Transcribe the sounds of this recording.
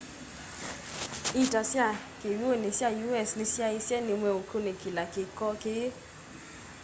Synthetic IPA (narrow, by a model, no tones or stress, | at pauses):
itasiakeɾuonĩsiajuɛsnĩsiaisɛnĩmɛõkonẽkilakekɔkee